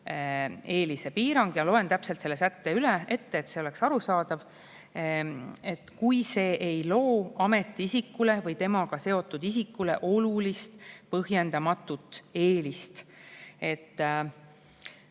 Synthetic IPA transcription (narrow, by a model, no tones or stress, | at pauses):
e̞ːlise̞piːɾɑŋɡ̥jɑlo̞e̞nt̪æpse̞lt̪selːe̞sæt̪ːeylee̞t̪ːeːt̪ːse̞ole̞ksɑɾusɑːd̪̥ɑv | e̞t̪ːˑkujse̞ːʔejlo̞ːɑme̞t̪ːˑiisikːule̞vɤjt̪e̞mɑɡɑse̞o̞t̪ːˑud̪̥isikːule̞̰ʔo̞lulist̪pɤɦje̞nd̪̥ɑmɑt̪ːˑut̪ːˑeːlist̪e̞t̪ː